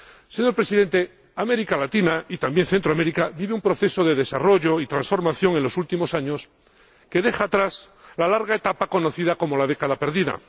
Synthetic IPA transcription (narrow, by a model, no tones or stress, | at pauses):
se̞ɲo̞ɾpɾe̞siðe̞nt̪e̞ | ame̞ɾikalat̪inait̪ambje̞nθent̪ɾoame̞ɾikaβiβeumpɾo̞θe̞so̞ðe̞ðe̞saro̞ʝo̞it̪ɾansfo̞ɾmaθjo̞ŋe̞nlo̞sult̪imo̞saɲos | ke̞ðe̞xaːt̪ɾas | lalaɾɣaet̪apako̞no̞θiðako̞mo̞lað̞e̞kaðape̞ɾðiða̰